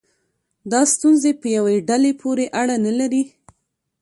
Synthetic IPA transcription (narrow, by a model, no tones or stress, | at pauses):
d̪ɑst̪unzepəjaweɖalepʰoɾeʔaɽanalaɾi